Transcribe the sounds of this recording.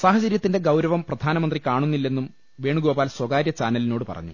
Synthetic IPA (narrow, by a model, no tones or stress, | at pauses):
saːɦɐt͡ɕɐɾjɐt̪ːinde̞ɡɐwɾɐʋɐmprɐd̪ʱaːnɐmɐnd̪rikaːɳunːilːe̞nːum | ʋe̞ːɳuɡo̞ːbaːlswɐɡaːɾjɐt͡ɕaːnɐlino̞ːɽɨpɐ̰rɐ̰ɲːṵ